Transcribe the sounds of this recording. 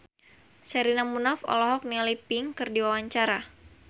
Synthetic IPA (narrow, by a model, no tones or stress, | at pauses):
sɛɾinamunafɔ̰lɔɦɔk̚nialipɪŋkɨrdiwawaɲt͡ʃaɾa